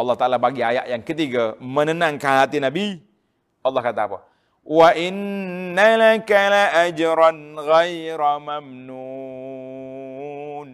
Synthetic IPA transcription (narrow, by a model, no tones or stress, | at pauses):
ɑlːɑt̪aʔalabaɡiaja̰ʔjaŋkət̪̬iɡamənənaŋkaɦat̪inabi | ʔɑlːɑhkat̪aːpa̰ | waʔɪnːalakalaʔad͡ʒɾanɣajɾamamnu | n